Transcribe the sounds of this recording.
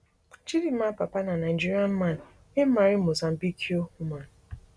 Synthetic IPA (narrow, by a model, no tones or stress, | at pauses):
t͡ʃidiapapananaid͡ʒiɾiam̩man̩ | emaɾimozam̩bikʰiohuman